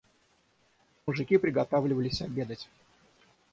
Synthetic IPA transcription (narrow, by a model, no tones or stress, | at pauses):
mʊʐɨkʲipɾʲɪɡɐt̪avlʲɪvəlʲɪsʲɐbʲe̞d̪ətʲ